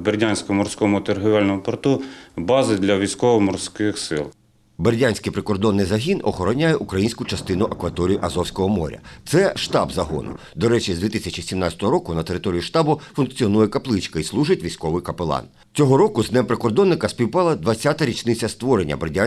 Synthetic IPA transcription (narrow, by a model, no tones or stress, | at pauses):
berʲdʲanʲsʲkɔmɔrsʲkɔmʊt̪erɦʊʋʲɑlʲnɔmʊpɔrt̪ubɑzɪd̪lʲɐʋʲijsʲkɔʋɔmɔrsʲkɪxsɪ̰lˠ | berʲdʲanʲsʲkɪjpɾɪkɔrd̪ɔnːɪjzɐɦʲinɔxɔɾɔnʲajɛʔukɾɐjinʲsʲkʊt͡ʃɐst̪ɪnʊʔɐkʋɐt̪ɔɾʲijiʔɐzɔwsʲkɔɦɔmɔ̰ɾʲɐ̰t̪sɛʃt̪ɑ̰bzɐɦɔ̰nʊ̰ | d̪ɔɾɛt͡ʃizdʲʋʲit̪isʲɐt͡ʃisʲimnɑt͡sʲɐ̥t̪ɔɦɔɾɔkʊnɐt̪e̞ɾɪt̪ɔɾʲijiʃt̪ɑbʊfʊnkt͡sʲiɔnujɛkɐplˠɪt͡ʃkɐislˠuʒɪtʲʋʲijsʲkɔʋɪjkɐpelˠɑ̰n | t͡sʲɔɦɔɾɔkʊznɛmpɾekɔrd̪ɔnːɪkɐspʲiwpɑlˠɐd̪ʋɐt͡sʲːat̪ɐɾʲit͡ʃnɪt͡sʲːɐst̪ʋɔɾenʲːɐ̰berʲdʲa